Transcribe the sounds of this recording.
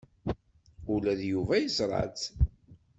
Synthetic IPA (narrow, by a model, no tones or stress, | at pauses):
ʊlæðjuvæjəzɾˤɑ̰t͡s